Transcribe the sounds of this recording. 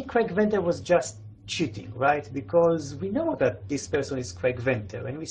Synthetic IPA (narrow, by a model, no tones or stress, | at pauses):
kʰɹɛkvɛ̃ntəɹwɔzd͡ʒast | t͡ʃitɪ̰̃ŋɹaɪt̪bikʰɔzwinoʊðæt̪̚d̪ispɛɹsɔ̃niz̥kʰɹɛkvɛ̃ntʰə̰ɹɛ̰̃nwi